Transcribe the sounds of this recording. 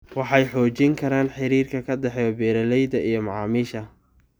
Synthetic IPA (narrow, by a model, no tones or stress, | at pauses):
wɑħɑjħɔːt͡ʃɪŋkʰɐɾaːnħɪɾiːrkʰɐkʰɐd̪ɛħɛjɔbɛːɾɐlɛjd̪ɐʔijɞmɑʕɑːmiːʃɐ